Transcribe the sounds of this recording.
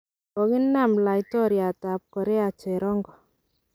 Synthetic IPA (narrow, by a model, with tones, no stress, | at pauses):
ɔ˨ɣɪ˦nːa˦˨mla˨i˦tɔ˦ɾja˨ta˨p̚kɔ˨ɾɛ˦a˨t͡ʃɛ˨ɾɔ˦ŋɡɔ˨